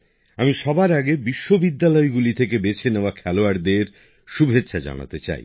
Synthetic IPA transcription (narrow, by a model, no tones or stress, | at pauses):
amiʃɔbaɾaɡebiʃːobid̪ːalɔeɡulit̪ʰekebet͡ɕʰeneoakʰɛloaɾd̪eɾ | ʃubʱetːʃʰad͡ʑa̰na̰t̪et͡ɕa̰j